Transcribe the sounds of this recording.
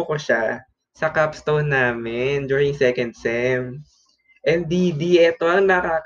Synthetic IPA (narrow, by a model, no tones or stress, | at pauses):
okoʃa | sɐkapst̪ownːaːmɛnd͡ʒuːɹɪŋsɛkɐnd̪̚sɛm | ʔɛnd̪id̪iʔɛt̪o̞ɐŋnɐkaːk